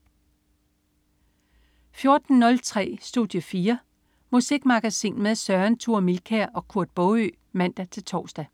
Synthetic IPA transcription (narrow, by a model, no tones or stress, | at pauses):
fjo̝ɐd̥n̩nɔ̽lt͡sʰʁɛ̰ːsd̥uðˠjəfiːɐ | musiɡ̥mɑ̈ɡ̥æsḭːnmeðˠsɶɐnt͡sʰuɐ̰milkʰæɐʔɒ̽kʰuɐ̰d̥̚b̥ɔʊø̰ː | mæn̰d̥æt͡sʰe̝lt͡sʰɒ̰ːsd̥æ